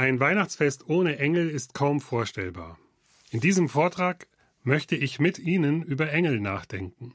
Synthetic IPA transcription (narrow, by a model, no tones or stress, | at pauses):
ʔaɪnvaɪnaχt͡sfɛstʔoːnəʔɛŋl̩ɪstkʰaʊmfoːɐʃtɛ̰lba̰ːɐ | ʔɪndiːzəmfoːɐtʁ̥aːk | mœçtəɪçmɪtʔiːnənʔyːbɐʔɛŋl̩naːχd̥ɛŋkŋ̩